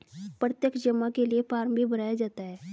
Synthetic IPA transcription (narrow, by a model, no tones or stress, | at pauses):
pɾət̪jəkd͡ʒəmːakeliepaːɾmbʱibɐɾaːjad͡ʒaːt̪aɦɛː